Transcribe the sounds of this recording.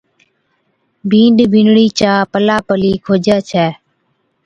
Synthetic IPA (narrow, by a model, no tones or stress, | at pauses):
bʱĩːɳɖbʱɪnɽiːt͡ʃaːpəlaːpəliːkʰoːd͡ʒɛːt͡ʃʰɛː